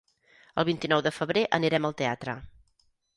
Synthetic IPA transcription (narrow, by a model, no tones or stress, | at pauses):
əlˠβ̞int̪inɔwðəfəβɾeʔəniɾɛməlˠt̪eat̪ɾə